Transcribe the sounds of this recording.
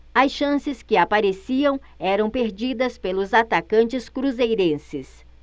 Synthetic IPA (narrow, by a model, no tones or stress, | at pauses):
ɐsʃɐ̃sɪskɪapaɾesiɐ̃w̃ | ɛɾɐ̃w̃peɾd͡ʒid̪ɐspelʊzat̪akɐ̃nt͡ʃɪskɾuzejɾẽsɪs